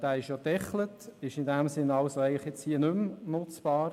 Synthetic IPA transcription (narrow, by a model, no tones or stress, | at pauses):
d̥æːɪʃjodɛχlətɪʃɪndæmsɪnːɑlsoæɪŋləχjɛt͡shiːənʏmnʊt͡sb̥ɑːɾ